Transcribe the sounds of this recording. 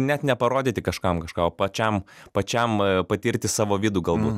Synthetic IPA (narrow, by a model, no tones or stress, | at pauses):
nʲɛt̪nʲɛpɐɾoːd̪ʲit̪ʲɪkɐʃkɐmkɐʃkɑːopɐt͡ʃʲɛmpɐt͡ʃʲɛmpɐt̪ʲiɾʲt̪ʲɪsɑːʋoːʋʲiːd̪uːɡɐlˠbuːt̪